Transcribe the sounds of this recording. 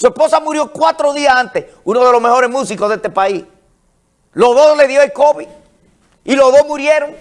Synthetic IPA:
sue̞hpo̞samuɾjo̞kwat̪ɾo̞ðiasant̪es | unoð̞e̞lo̞ɦme̞ho̞ɾe̞smũsikoðe̞st̪epais | lo̞zðosle̞ðjoelko̞βi | ilo̞zðohmuɾje̞ɾoŋ

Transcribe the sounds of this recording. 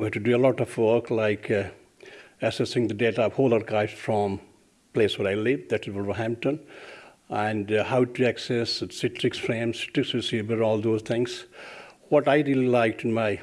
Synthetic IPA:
ɦæʈuɖuəlɔːʈɔfwəɾklaɪk | ɛsɛsɪ̃ŋd̪əɖeːʈaɔʋhoːlaɾkaɪvsfɾɔ̃m | pleːswəɾaɪlɪʋd̪æʈɪzwələɦæ̃m̚ʈə̃n | æ̃ɳɖhaʊʈuæksɛssɪʈɾɪksfɾẽːmsɪ̥ʈɾɪksusibəɾɔːld̪oːzt̪ʰɪ̃ŋs | wɔʈaɪɾililaɪk̚ʈɪ̃nmaɪ

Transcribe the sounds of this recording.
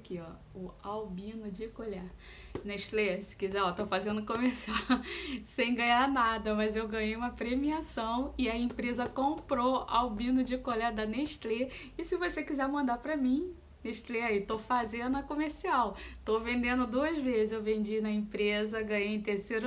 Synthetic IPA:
kiɔ | ʊawbĩnʊd͡ʒɪkolaɾ | neʃt̪leɐsɪ̥kizɛɔt̪ofazẽnd̪ʊkomehsiawsẽj̃ɡɐ̃ɲaɾnad̪ɐmɐzewɡɐ̃ɲejũmɐpɾemiasɐ̃w̃ɪɐẽpɾezɐkõmpɾoa̰wbĩnʊd͡ʒɪkoʎaɾd̪ɐneʃt̪le | ɪsɪvosekizɛɾmɐ̃nd̪apɾɐmĩ | neʃt̪leait̪ofazẽd̪ʊɐkomeɾsiawt̪ovẽnd̪ẽnd̪ʊd̪uɐzvezɪzewvẽd͡ʒinɐẽpɾezɐɡɐ̃ɲejẽt̪eɾseɾ

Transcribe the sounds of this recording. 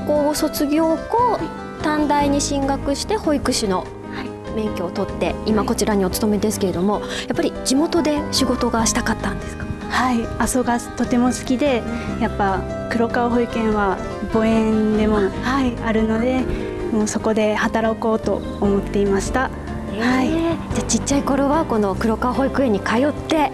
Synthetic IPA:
koːɡoso̞t͡sɨɡʲo̞ːko | t̪ãnd̪aiɲ̟iɕĩŋɡakɯ̟ɕi̥t̪e̞ho̞ikɯ̟ɕino̞ | h | bẽ̞ŋkʲoot̪o̞t̪ːe̞imako̞t͡ɕiɾaɲ̟io̞t͡sɨ̥t̪o̞me̞d̪e̞sɨ̥ke̞ɾe̞d̪o̞mo̞japːaɾʲid͡ʑimo̞t̪o̞d̪e̞ɕiɡo̞t̪o̞ɡaɕi̥t̪akat̪ːãnd̪e̞sɨ̥kḁ | haiaso̞ɡat̪o̞t̪e̞mo̞sɨ̥kʲid̪e̞japːa | kɯ̟ɾo̞kaɦo̞ikẽ̞ɰ̃βa | bo̞ẽ̞nd̪e̞mo̞haiaɾɯ̟no̞d̪e̞ | mo̞ːso̞ko̞d̪e̞hat̪aɾako̞ːt̪o̞̰ːmo̞t̪ːe̞imaɕi̥t̪a | haid͡ʑat͡ɕit͡ɕːaiko̞ɾo̞βako̞no̞kɯ̟ɾo̞kaɦo̞ikɯ̟eɲ̟ːikajo̞t̪ːe̞

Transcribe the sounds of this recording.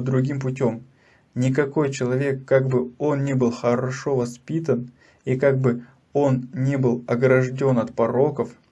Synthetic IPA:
d̪ɾʊɡʲimpʊtʲo̞m | nʲɪkɐko̞jt͡ɕɪlˠɐvʲe̞kːaɡ̚bɨo̞nnʲebɨlˠxəɾɐʂo̞vɐspʲit̪ən | ikaɡ̚bɨ | o̞nnʲebɨlˠɐɡɾɐʐdʲo̞nɐt̪pɐɾo̞kəf

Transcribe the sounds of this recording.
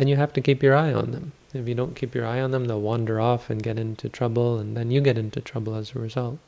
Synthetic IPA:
ɨ̃njɨɦæftɨkipjə˞aɪə̰̃nðə̰̃m | ɨfjɨdõʊ̃nkʰipjə̰˞aɪə̃nðə̃mðeɪlˠwɑ̃ndə˞ɔfɨ̃nɡɛɾɪ̃ntʰutʰɹ̥ʌbl̩ˠə̃nðɨ̃njɨɡɛɾɪ̃ntutʰɹ̥ʌbl̩ˠəzəɹɪzʌlˠt̚

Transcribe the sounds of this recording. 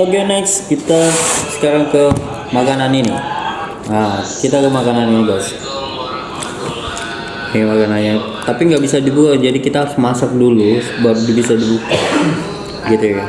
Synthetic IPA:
oɡɛnɛkskit̪asə̥kaɾaŋkə | makananini | akit̪akəmakananiniɡas | amakananɲa | t̪apiŋɡaʔbisadibukad͡ʒadikit̪amasak̚dulusəbap̚dibisadibuka | ɡit̪uja

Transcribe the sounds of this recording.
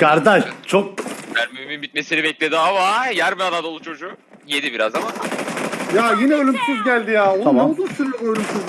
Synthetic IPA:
kaɾd̪aʃt͡ʃʰok̚jæɾmymimbit̪mesiɾibɛclʲed̪iavajæɾmyad̪ad̪olˠut͡ʃʰo̞d͡ʒu | jed̪ibiɾazama | jaːjinɛølʲymsyzɟælʲd̪ijaːoaaod̪usyɾølymsiz

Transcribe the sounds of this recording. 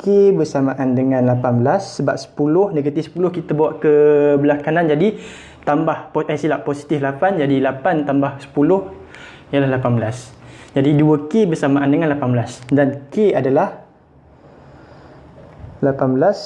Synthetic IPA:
kebərsamaʔandəŋãnlapanbəlasːəbap̚sə̥pulʊhnəɡət̪ihsə̥pulʊhkit̪abawaʔkəbəlakanand͡ʒadi | t̪ambahpoasilaʔposi̥t̪iflapand͡ʒadilapant̪ambahsə̥pulʊh | ijəlahlapanbəlasd͡ʒadiduəkebərsamaʔandəŋãnlapanbəlasdankeadalah | lapanbəlas

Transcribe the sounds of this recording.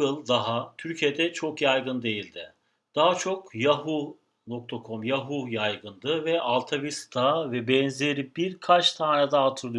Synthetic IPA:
ɯlˠd̪aɦat̪ʰyɾcʰije̞d̪ɛt͡ʃʰo̞kjajɡɯnd̪e̞jilʲd̪ɪ | d̪̥aɦat͡ʃʰo̞kjaɦu | nok̚t̪ʰakʰo̞mjaɦujajɡɯnd̪ɯvɛʔalˠt̪ʰavist̪ʰaːvɛbɛnzʲeɾibiɾkʰat͡ʃt̪ʰaːnad̪aat̪ʰɯɾlˠɯ

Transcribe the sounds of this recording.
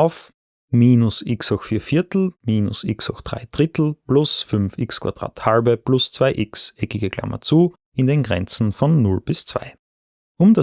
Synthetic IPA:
aʊf | miːnʊsɪksɔxfiːɐfɪɐtl̩miːnʊ̰sɪksɔ̰xd̥ʁa̰ɪd̥ʁɪtl̩plʊsfʏnfɪkskʰv̥ad̥ʁa̰ːthalbəplʊst͡sv̥aɪʔɪksʔɛkɪɡəkl̥a̰mʔɐ̰t͡suː | ʔɪndenɡʁɛ̰nt͡sn̩fɔnːʊlb̥ɪst͡sv̥a̰ɪ | ʔʊmda

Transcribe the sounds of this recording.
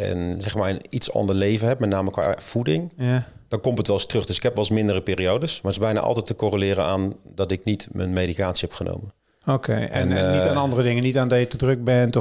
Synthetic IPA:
ɛ̰nzɛxmaːənitsɑ̰ndəɹleːvənɦɛp̚mɛtnaːməkʋa̰ːv̥udɪŋd̥ɑnkɔmpətʋɛlˠstrɵχd̥ɵsɪ̥khɛpʋɛlˠsmɪndərəpɪːriowdəsmartɪzbɛjna̰ʔɑ̰lˠtɛtəkorəlɪːɾənaːndɔtɪknitmə̰nmejdikaːtsihɛpχənʔo̰wmən | okʰḛjɛnnnitaːnɑndərədɪŋənitaːndɔjətədrɵk̚bɛnt

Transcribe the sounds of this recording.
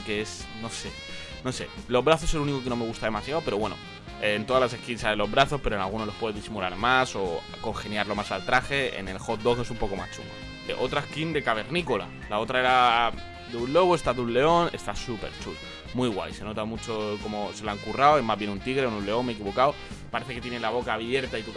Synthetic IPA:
kees | no̞se̞ | no̞se̞̰lo̞zβɾaθo̞selunikok̬eno̞me̞ɣ̞ust̪aðe̞masjaopeɾo̞βwe̞no̰ | eːnt̪o̞ðalas̬e̞hkinsaelo̞zβɾaθo̞speɾonalɣunolo̞hpwe̞ðeðisimulaɾmaso̞ | ko̞ŋxe̞njaɾlo̞masalt̪ɾaxe̞ḛne̞lxo̞t̪̚d̪o̞xe̞sumpo̞ko̞ma̰st͡ʃṵŋmɡo̰ | ʔo̞t̪ɾaeskind̪e̞kaβ̞e̞ɾnikola̰ | lao̞t̪ɾae̞ɾa | d̪eunlo̞ɣoe̞st̪aðunle̞o̞ne̞st̪asupe̞ɾt͡ʃul | mwiɣwa̰jse̞no̞t̪amut͡ʃo̞ko̞mose̞laŋkuraowezmazβje̞nunt̪iɣɾeonunle̞o̞nmek̬iβo̞kaw | paɾe̞θe̞ket̪jenelaβo̞kaːβje̞ɾt̪ait̪uk

